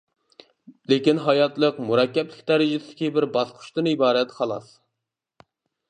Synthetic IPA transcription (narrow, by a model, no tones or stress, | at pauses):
lekʲinɦɑjɑt̪lˠəqmuɾɑkʲːɛplɪkʲd̪æɾɪd͡ʒɪsɪd̪ɪ̥kʲibɪɾbɑsqʰʊ̥ʃt̪ɨnibɑːɾɛt̪χʰɑlˠɑ̰s